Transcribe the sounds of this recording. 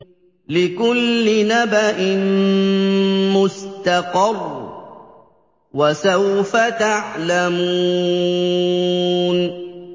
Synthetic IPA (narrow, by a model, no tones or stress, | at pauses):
lɪkʊlːɪnabaʔɪn | mʊst̪ɑqɑrˤː | wasawfat̪aʕlamuː | n